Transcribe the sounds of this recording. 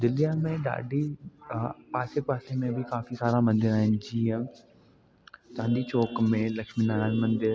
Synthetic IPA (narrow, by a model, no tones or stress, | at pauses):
d̪ɪlijamẽɗa̰ːɖi | paːsepaːsemẽbʱikaːfisaːɾamɐ̃nd̪ɪɾaːɦɪnɪ̆d͡ʑiːə̃ | t͡ɕãːnd̪it͡ɕoːkmẽlɐkʃminaːɾaːnmɐ̃nd̪ɪɾ